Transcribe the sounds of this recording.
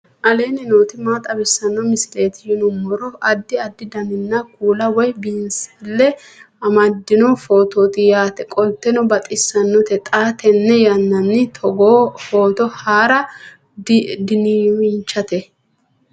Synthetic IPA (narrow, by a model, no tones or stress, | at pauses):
ʔɐle̞ːnɪnoːt̪ɪmaːt̪ʼɐbɪsːɐnːɔmɪsɪle̞ːt̪ɪjɪnʊmːɔɾɔɐd̪ːɪɐd̪ːɪd̪ɐmɪnːɐkuːlɐwɔjbɪnslːɛ | ɐmɐd̪ːɪnɔfoːt̪oːt̪ɪjaːt̪ɛkʼɔlt̪ːɛnɔbɐt̪ʼɪsːɐnːɔt̪ɛt̪ʼaːt̪ɛnːɛjɐnːɐnːɪt̪ʰɔɡoːfoːt̪ɔhaːɾɐ | d̪ɪnɪwɪnt͡ʃːɐt̪ɛ